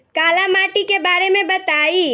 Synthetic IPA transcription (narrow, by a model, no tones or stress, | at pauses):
kaːlamaːʈikebaːɾemẽbɐt̪aːiː